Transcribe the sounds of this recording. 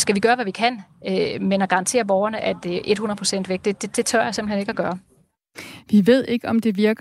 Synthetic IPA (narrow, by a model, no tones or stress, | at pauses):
sɡ̥æʋiɡ̥ɶːɐʋæʋikʰæn̰ømenɒɡ̥ɑ̈ɑ̈nt͡sʰe̝̰ːɐb̥ɒʊɐnəʔæd̥eʔe̝d̥hunɐpʰʁo̝sen̰d̥ʋeɡ̥̚d̥e̝d̥e̝d̥e̝t͡sʰɶɐjäse̝mb̥l̩he̝ne̝ɡ̥æɡ̥ɶːɐ | ʋiʋe̝ð̞̰ˠe̝ɡ̥əɒ̽md̥e̝ʋiɐɡ̥